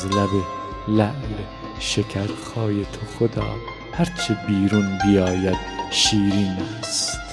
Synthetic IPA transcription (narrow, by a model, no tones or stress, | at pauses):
zlæbe | læʔle | ʃekʰæɾxɒːjet̪ʰoxod̪ɒ̰ː | hæɾt͡ʃʰebiːɾunbijɒːjæd̪̥ʃiːɾiːnæːst̪